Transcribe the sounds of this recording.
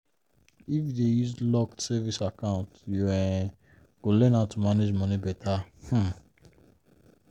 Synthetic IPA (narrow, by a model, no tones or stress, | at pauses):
ifdejuzlɔktsɛvisakãʊ̃ntjuɛ̃ | ɡ̥olɛ̃natumaned͡ʒmɔ̃nĩbɛtʰah̩